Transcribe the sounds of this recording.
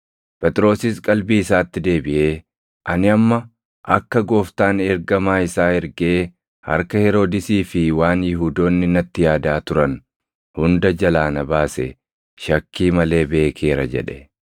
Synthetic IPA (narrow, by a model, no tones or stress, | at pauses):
pɛt̪ʼɪɾo̞ːsɪskʼɐlbiɪsaːt̪ːɪd̪e̞ːbɪʔe̞ː | ʔɐnɪɐmːɐ | ʔɐkːɐɡo̞ːft̪aːnɛɾɡɐmaːɪsaːhɛɾɡe̞ː | hɐ̰ɾkɐhɛɾo̞ːd̪ɪsiːfɪwaːnjɪɦuːd̪o̞ːnːɪnɐt̪ːɪjaːd̪aːt̪ʊɾɐn | hʊnd̪ɐd͡ʒɐlaːnɐbaːsɛ | ʃɐkːiːmɐle̞ːbe̞ːkʰe̞ːɾɐ̰d͡ʒɛ̰ᶑɛ̥